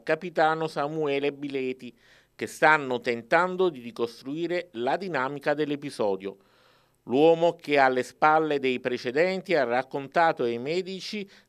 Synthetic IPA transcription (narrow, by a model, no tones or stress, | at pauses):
kapit̪aːnosamuɛːlebilɛːt̪i | k̟est̪anːot̪ent̪and̪od̪irikost̪ɾuiːɾelad̪inaːmikad̪elːepizɔːd̪jo̰ | lwɔːmok̟ealːespalːed̪ejpɾet͡ʃed̪ɛnt̪iarakːont̪aːt̪oimɛːd̪it͡ʃi